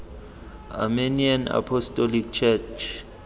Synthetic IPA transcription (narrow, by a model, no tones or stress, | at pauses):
a̰meniana̰pʰɔstʼɔlik̚t͡ʃʰɛt͡ʃʰ